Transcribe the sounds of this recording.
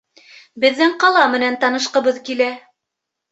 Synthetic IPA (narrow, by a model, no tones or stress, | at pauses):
bɘ̆ðːɘŋqɑlˠɑmɘ̆nænt̪ɑnɤ̆ʃqɤ̆βɤðkilæ